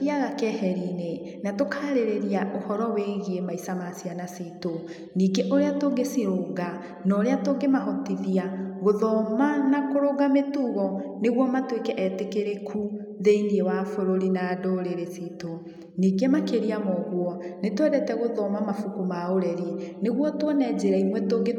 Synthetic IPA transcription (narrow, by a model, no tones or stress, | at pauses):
iaɣakɛhɛɾinenatokaːɾeɾeɾiaʔohɔɾɔweɣiemaisamasianasito | niːɡeʔoɾeatoɡesiɾoːŋɡa | nɔɾeatoŋɡemahɔtiðiaɣoðɔmanakoɾoɣametuːɣɔneɣwɔmatwekɛʔɛtekeɾekʰu | ðeiniewafoɾoɾinadoɾeɾesiːto | niːɡemakeɾiamɔɣwɔnetwɛɾɛtɛɣoðɔmamafukomaoɾɛɾineɣwɔtwɔnɛd͡ʑeɾaimwɛtoŋɡe